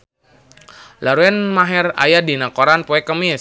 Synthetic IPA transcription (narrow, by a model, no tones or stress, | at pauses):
laɾuɛnmaɦɛra̰jadinakoɾanpoɛkəmi